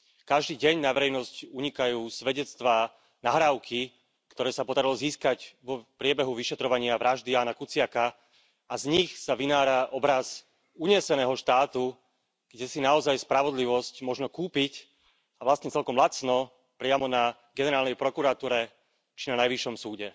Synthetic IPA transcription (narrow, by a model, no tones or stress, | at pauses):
kaʒd̪iːɟɛɲnaʋɛɾɛjnɔscuɲikajuːsʋɛɟɛt͡st̪ʋaː | naɦɾaːʊkʰi | kt̪ɔɾɛːsapɔd̪aɾilɔziːskaɟʋɔpɾɪɛbɛɦuʋiʃɛt̪ɾɔʋaɲɪaʋɾaʒd̪iaːnakut͡sɪaka | azɲixsaʋinaːɾaʔɔbɾaz | uɲɛsɛnɛːɦɔʃt̪aːt̪u | ɡ̥ɟɛsinaɔzajspɾaʋɔd̪liʋɔscmɔʒnɔkuːpic | aʋlast̪ɲɛt͡sɛlkɔmlat͡snɔ | pɾɪamɔna | ɡɛnɛɾaːlnɛjpɾɔkuɾat̪uːɾɛ | t͡ʃinanajʋiʃːɔmsuːɟɛ